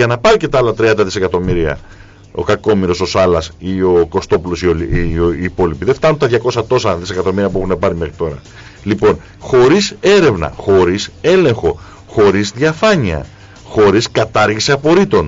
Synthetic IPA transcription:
ʝɐnɐpɐɾice̞t̪ɐlɐt̪ɾiɐnd̪ɐðise̞kɐt̪o̞miɾiɐ̰ | o̞̰kɐko̞miɾo̞so̞sɐlɐsio̞ko̞st̪o̞pulo̞sioː | po̞lipiðeft̪ɐnunt̪ɐðʝɐko̞sɐt̪o̞sɐðise̞kɐt̪o̞miɾiɐpuexunepɐɾimexɾit̪o̞ɾɐ̰ | lipo̞n | xo̞ɾise̞ɾe̞vnɐ̰xo̞ɾise̞le̞ŋxo̞ | xo̞ɾizðʝɐfɐɲiɐ̰ | xo̞ɾiskɐt̪ɐɾʝisiɐpo̞ɾit̪o̞n

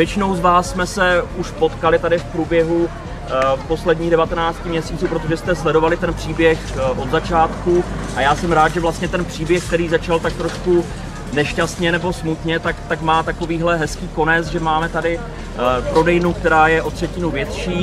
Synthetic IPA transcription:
vjɛt͡ʃɪno̞wzvaːsːmɛsɛuʃpo̞t̪kalɪt̪adɪfpɾuːbjɛɦu | po̞slɛdɲiːɣdɛvat̪ɛnaːt͡scɪmɲɛsiːt͡suːpɾo̞t̪o̞ʒɛst̪ɛslɛdo̞valɪt̪ɛnpr̝̥iːbjɛxʔo̞d̪zat͡ʃaːt̪ku | ʔajaːsɛmɾaːt̪ʒɛvlast̪ɲɛt̪ɛnpr̝̥iːbjɛxk̚t̪ɛɾiːzat͡ʃalt̪ak̚t̪ɾo̞ʃku | nɛʃcast̪ɲɛnɛbo̞smut̪ɲɛt̪akt̪akmaːt̪ako̞viːɦlɛɦɛskiːko̞nɛt͡sʒɛmaːmɛt̪adɪ | pɾo̞dɛjnuk̚t̪ɛɾaːjɛʔo̞t̪r̝̥ɛcɪnuvjɛt̪ʃiː

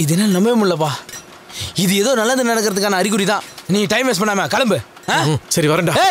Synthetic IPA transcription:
ɪðɯenːaːlɐnɐmbɐeːmʊɭːɐp̬aː | ɪðɯeðoːnɐlːɐnd̪ɯnɐnɛkːɪɾɐðɯk̬ːaːnɐɐɾɪk̬ːɯɾit̪ãːnĩːɐʈɐɪmʋeːs̬pɐɳːaːmaːkɐɭɐmbɯ | ãsɐɾiʋɐɾɐɳɖaːe

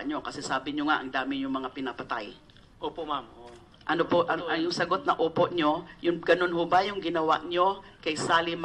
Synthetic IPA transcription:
ɲo̞kɐsɛsaːbɪɲoŋaʔɐŋd̪aːmɪjʊŋmɐŋapɪnɐpɐt̪aj | ʔoːpomam | ʔɐnopoʔɐjʊŋsɐɡot̪̚nɐʔoːpoʔɲojʊŋɡɐnonhʊbajʊŋɡɪnɐwa̰ʔɲokɐjsaːlɪm

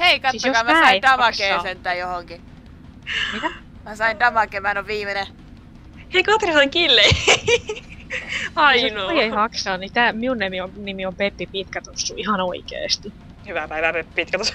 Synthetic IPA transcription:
heikɑtsisjokɑːmææsːɑiit̪ɑmɑkeeːsent̪ːˑæjohoŋki | mit̪æ | mæsɑint̪ɑmɑkemænoʋʋiːmene | heikɑt̪risɑŋkilːei | ɑisnooieihɑksɑːnnit̪æːmiunnemionimiompepːipit̪kæt̪osːuihɑnoikḛːst̪i | hyʋæpæiʋæpepːpit̪kæt̪os

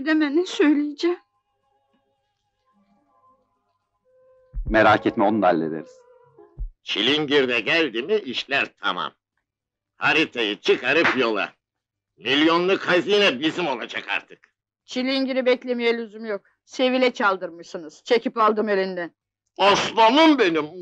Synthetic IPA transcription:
d̪emɛnɛsøjlʲijid͡ʒɛ | meɾaːcʰet̪mɛo̞nund̪alʲːḛd̪ḛɾiz̥ | t͡ʃʰilʲiɲɟiɾd̪ɛɟælʲd̪imiiʃlʲæɾt̪ʰa̰ma̰m | haɾit̪ʰajɯt͡ʃʰɯkaɾɯpjo̞lˠa̰ | milʲjo̞nlˠukʰaziːnɛbizimo̞lˠad͡ʒakʰa̰ɾt̪ʰɯ̥k | t͡ʃʰilʲiɲɟiɾibɛclʲe̞mijɛlʲyzymjok̚ | se̞vilʲɛt͡ʃʰalˠd̪ɯɾmɯʃsɯnɯz̥t͡ʃʰe̞cʰipalˠd̪ɯmelʲind̪ɛn | oslˠonumbe̞nim

